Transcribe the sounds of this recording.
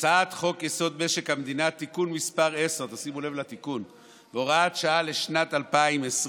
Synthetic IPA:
t͡saaːt̪χo̞kjeso̞d̪̚be̞ʃe̞khamed̪inat̪ːikunmispaʁe̞seʁt̪asimule̞vlat̪ikun | veoʁaːt̪ʃaale̞ʃnat̪alpaimesʁ

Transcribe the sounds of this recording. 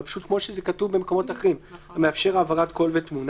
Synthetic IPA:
pḁʃut̪̚kmo̞ʃezekatuvbemeko̞mo̞taχeʁimameafʃe̞ʁaːvaʁatko̞lvetmun

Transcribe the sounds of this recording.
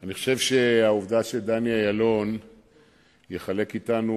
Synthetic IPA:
aniχoʃevʃe̞auvdaʃeld̪aniajalo̞n | jeχale̞kitanu

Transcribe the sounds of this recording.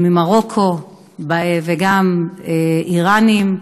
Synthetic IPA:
mimaʁokʰo | baveɡameiʁanim

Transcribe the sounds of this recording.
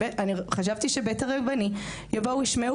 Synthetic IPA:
aniχaʃ̬avt̪iʃebetaʁebani | javouiʃme

